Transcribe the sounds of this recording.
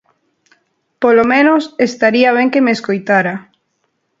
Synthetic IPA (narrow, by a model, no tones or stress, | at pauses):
polomẽnosest̪aɾiaβeŋkemeːskojt̪aɾa